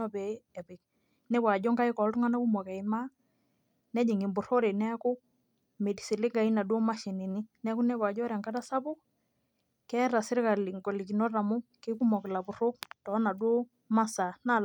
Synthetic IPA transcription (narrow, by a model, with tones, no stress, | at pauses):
ɔ˦bɛ˨˦ɛ˨pɪ˨k̚ | nɛ˦bwa˨ɟɔ˦ŋka˦i˦kɔ˨˦ltu˦ŋa˦na˦ku˦mɔ˨kɛ˨ɪ˨ma˦ | nɛ˦d͡ʒi˨ŋɪ˨mbʊ˨ɾo˦ɾe˨nɛ˦kʊ˦ | me˨di˨si˨lɪ˦ɡa˨i˦na˨do˦ma˦ʃi˨ni˨ni˦nɛ˦ku˦nɛ˦bwa˨d͡ʒɔ˦ɾɛ˨ŋka˦ta˦sa˦bʊ˦ | kɛ˦ɾa˨sɪ˦ɾka˨lɪ˨ŋɡɔ˨li˨ki˨nɔ˦ra˨mʊ˦kɪ˦ku˦mɔ˨kɪ˨la˨bʊ˨ɾo˦k̚tɔ˨˦na˨dwo˦ | ma˦sa˨na˦˨l